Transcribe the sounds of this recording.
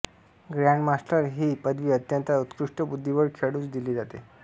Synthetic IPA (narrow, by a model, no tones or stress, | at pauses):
ɡɾjaɳmasʈəɾɦiːpəd̪ʋiːət̪jənt̪aut̪kɾuʂʈəbud̪ʱːiʋəɾkʰeɽũːt͡sd̪iliːd͡zat̪ḛ